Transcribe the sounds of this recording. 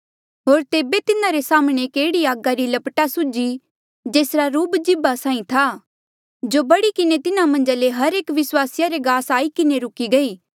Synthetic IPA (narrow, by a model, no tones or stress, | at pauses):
ɦoːɾt̪eːbet̪ɪnãɾesaːmɽ̃ekeːɽiaːɡaɾilɐpʈasʊd͡ʒi | d͡ʒeːsɾaɾuːbd͡ʒɪbasãːĩt̪ʰa | d͡ʒobɐɽikɪnet̪ɪnamɐ̃nd͡ʒaleɦɐɾeːkʋɪswaːsɪjaɾeɡaːsaːikɪneɾʊkiɡɐiː